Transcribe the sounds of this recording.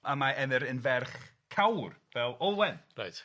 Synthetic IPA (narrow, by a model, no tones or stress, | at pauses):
amaɛnɛɾənvɛrχ | kʰawrvɛlˠowɛnrajt